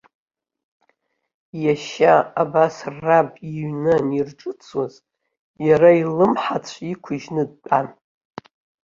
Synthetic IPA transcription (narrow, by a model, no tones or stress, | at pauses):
jaʃaːbasrabʼiɥnɨnirʈ͡ʂʼɨt͡sʰwaz̥ | jaɾailɨmħat͡sʷʰikʷʰʊʒnɨd̚t͡pʼan